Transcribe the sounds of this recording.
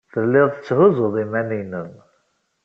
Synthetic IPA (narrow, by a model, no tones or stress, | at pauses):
θəlːɪðˤə̥t͡sːhuzʊðˤimænijnən